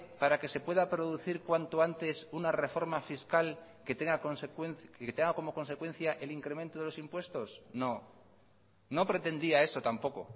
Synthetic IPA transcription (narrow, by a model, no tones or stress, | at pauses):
paɾake̞se̞pwe̞ðapɾo̞ðuθiɾkwant̪oant̪e̞sunare̞fo̞ɾmafiskal | ket̪eŋɡakonsekwenket̪eŋɡako̞mo̞ko̞nse̞kwẽ̞n̟θjaʔe̞liŋkɾe̞ment̪oðelo̞simpwe̞st̪o̞sno̞ | no̞pɾe̞t̪e̞nd̪iae̞so̞t̪ampo̞ko̞̰